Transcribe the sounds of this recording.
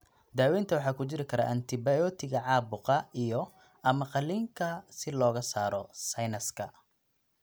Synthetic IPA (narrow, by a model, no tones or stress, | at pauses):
d̪aːwɛːnt̪ʰɐwɑħɑːkʰʊt͡ʃɪɾɪkʰɐɾa̰ʔɐnt̪ʰɪbɐjɔːt̪ʰɪɣɐʕɑːbʊqɐijɔ | ɐmɐqɑliːŋkʰɐsɪlɔːɣɐsaːɾɔsɐjnɐskʰɐ